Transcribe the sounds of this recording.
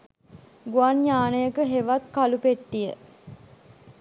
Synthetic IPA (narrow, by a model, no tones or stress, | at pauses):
ɡuanɲaːnəjəkəɦeʋat̪kalupeʈːijə̰